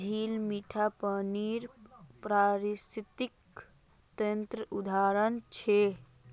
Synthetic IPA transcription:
d͡ʒʱilmiʈʰapəniɾpɾaɾist̪ʰit̪ik | t̪ənt̪ɾəʔud̪ʱaɾənt͡ʃʰe

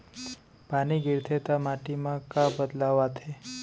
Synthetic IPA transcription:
paniɡiɾt̪ʰet̪amaʈimãkabəd̪laʋat̪ʰe

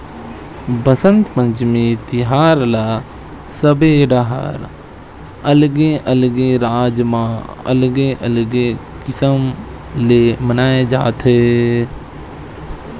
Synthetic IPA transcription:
bəsə̃nt̪pə̃ɲt͡ʃmet̪ɪɦaːɾla | səbeɖaɦa̰ɾ | əlɡeʔəlɡeɾaːd͡ʒmãə̰lɡeʔəlɡe | kɪsəm | lemənaːed͡ʒa̰ːt̪ʰɦe

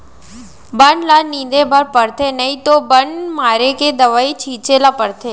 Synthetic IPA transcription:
bəɳlanĩd̪ebʱəɾpəɽt̪ʰenəit̪obəɳmaɾeked̪əʋait͡ʃʰĩt͡ʃelapəɽt̪ʰe

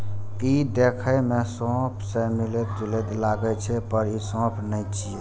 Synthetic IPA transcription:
id̪ekʰəjmesɔ̃pʰsemilet̪d͡ʒulet̪laɡət͡ʃʰɛpəɾisɔ̃pʰnəjt͡ʃʰie

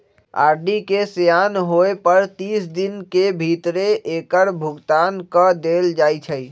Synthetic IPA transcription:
a̰ːɾɖikesejaːnɦoepəɾt̪iːsd̪ɪnkebʱit̪ɾeʔeːkəɾbʱʊɡt̪aːnkəd̪eːld͡ʒaːit͡ʃʰəi

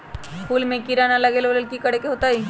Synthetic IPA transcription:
pʰuːlmẽkiɾanalɐɡeːloləlkikɐɽ̤ekeɦoːt̪aɦiː

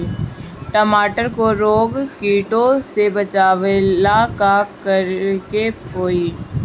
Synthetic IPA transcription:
ʈəmaːʈəɾkoɾoːɡkiːʈõsebɐt͡ʃaːʋelakakəɾkepoːiː

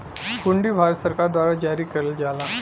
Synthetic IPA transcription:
kuɳɖiːbʱaɾət̪səɾkaɾd̪ʋaɾad͡ʑaɾiːkəɾeld͡zala

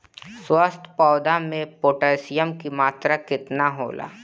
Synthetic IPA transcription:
swast̪ʰpɔːd̪amẽpoːʈaːsɪjəmkimaːt̪ɾakɪt̪naɦo̰ːla̰ː

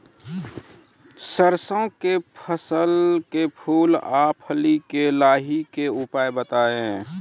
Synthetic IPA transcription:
səɾsə̃kepʰəsəlkepʰuːlaːpʰəlikelaːɦikeupaːebət̪aːẽ

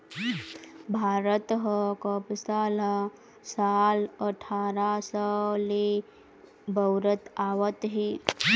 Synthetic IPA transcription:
bʱaɾət̪ɦəkəbsala | saləʈʰaɾasəli | bʱəwɾət̪aʋət̪ɦi

